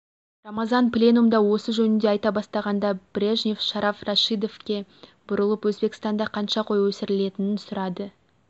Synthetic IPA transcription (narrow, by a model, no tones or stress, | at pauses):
rɑmɑzɑnplʲe̞numd̪ɑwo̞səʒɵnɪnd̪e̞ɑjt̪ɑbɑst̪ɑʁɑnd̪ɑb̥rʲeʒnʲefʃɑɾʔɑfrɑʃijd̪o̞fkʲe̞b̥ʊɾəlˠəpwɵzbe̞kɪ̥st̪ɑnd̪ɑqʰɑnʃɑqʰo̞jwɵsɪɾɪle̞t̪ɪnɪnsʊɾɑd̪ə